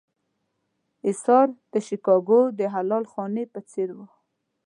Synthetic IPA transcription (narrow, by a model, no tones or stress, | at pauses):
ɪsɑɾd̪̥əʃikɑɡod̪əɦalɑlxɑnepət͡seɾwu